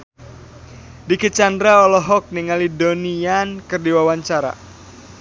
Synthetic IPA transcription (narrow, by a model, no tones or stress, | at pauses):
dikit͡ʃandɾaɔlɔɦɔk̚niŋalidoniankərdiwawaɲt͡ʃaɾa̰